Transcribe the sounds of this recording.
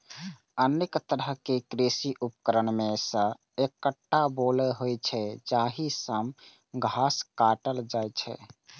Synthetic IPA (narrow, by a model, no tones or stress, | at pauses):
ənekt̪əɾəkekɾesiʔupkəɾənmesə̃ | ekːəʈːabolɛɦojt͡ʃʰɛd͡ʒaɦisəm | ɡʱaskaʈəld͡ʒajt͡ʃʰɛ̰